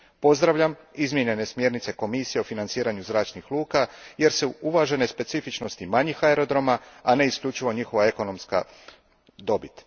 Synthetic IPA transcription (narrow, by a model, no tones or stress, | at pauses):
po̞zd̪ɾaʋʎʲamizmʲjeɲe̞ne̞smje̞ɾnit̪se̞ko̞misije̞ofinant̪siːɾaɲuzɾaːt͡ʃnixlˠuːkaje̞ɾseuuʋaʒe̞ne̞spe̞t̪sifit͡ʃno̞st̪imaɲixaeɾo̞d̪ɾo̞maane̞isklʎut͡ʃiʋo̞ɲixo̞ʋae̞ko̞no̞mska̰ | d̪o̞bit̪